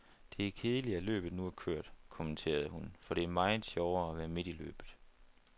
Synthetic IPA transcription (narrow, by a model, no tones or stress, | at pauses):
d̥e̝ækʰhe̝ðˠliælø̰ːb̥ð̩ˠnuæɐkʰøɐ̰d̥kʰoment͡sʰe̝̰ːɐð̞̩ˠəhunfɒ̽ɾ̥e̝æɐmɑ̈ːð̩ˠɕɒʊɐæʋæːɐme̝d̥ilø̰ːb̥ð̩ˠ